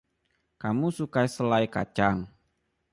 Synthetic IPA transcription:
kamusukaisəlajka̰t͡ʃaŋ

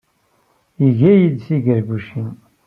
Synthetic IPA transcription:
iʝæjid̪siʝəɾɡuʃin

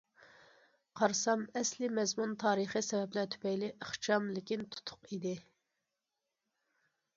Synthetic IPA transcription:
qʰɑɾsɑmɛslɪmɛzmunt̪ʰɑːɾəχɨsɛvɛplæt̪ʰy̥pɛjlɪʔəχt͡ʃʰɑmlɪkʲint̪ʰu̥t̪ʰʊ̥qid̪ɪ

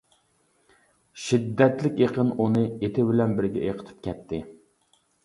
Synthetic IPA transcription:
ʃid̪ːɛt̪lɪkʲeqʰənunɨet̪ʰɪbɪlɛnbɪɾɡʲɛ̰ʔeqʰət̪ʰy̥p̚kʲʰɛt̪ʰːɪ

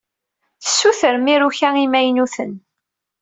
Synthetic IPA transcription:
θəsːuθəɾmiɾuçæimæjnuθən

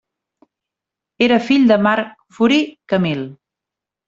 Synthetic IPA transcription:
eɾəfiʎd̪əmaɾk | fuɾikəmilˠ

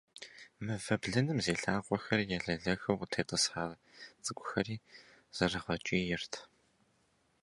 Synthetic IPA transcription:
mɨvɐbɮɐnɨmzeːɬaːqʷʼɔxɐrjɛɮɐɮɐxɐwtʰeːtʼɨsħaː | t͡sʼɨɡʷʼʊxɐriː | z̥ɐrɐʁɐt͡ʃʼiːjɪrtʰ

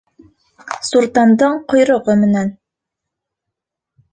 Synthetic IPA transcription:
suɾt̪ɑnd̪ɤɴqŏjɾŏʁɤmɘ̆næn

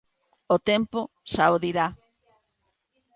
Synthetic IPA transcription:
ot̪empo | sawðiɾa

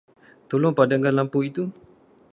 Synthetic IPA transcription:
t̪olɔŋpadaŋɡanlampuit̪u

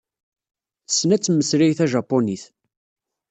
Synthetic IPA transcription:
θə̥sːnæt͡sːmːəsɾijθæʒɑpːoniθ

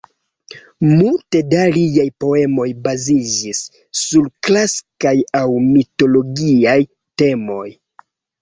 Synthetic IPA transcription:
multe̞dalijajpo̞e̞mo̞jbazid͡ʒisː | uɾklaskajawmito̞lo̞ɡiaj | te̞mo̞j

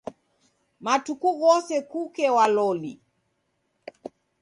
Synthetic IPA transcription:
matukuɣɔsɛkukɛwalɔlḭ

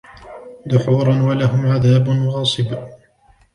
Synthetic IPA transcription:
ðʊħuːɾˤɑnwalaɦʊmʕaðaːbʊnɣɑːsˤɨb

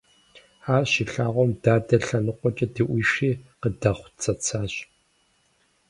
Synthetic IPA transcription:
ħaːrʃiːɬaːʁʷɔmdaːdɐɬɐnɨqʷɔt͡ʃʼɐdiʔʷiːʂiːqədɐχʷt͡sʰɐt͡sʰaːɕ

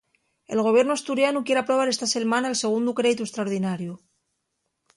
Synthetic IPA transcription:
elɣo̞βje̞ɾnuast̪uɾjanukje̞ɾapɾo̞β̞aɾe̞st̪ase̞lmanaelse̞ɣ̞und̪ukɾe̞ðit̪uest̪ɾaoɾðinaɾju

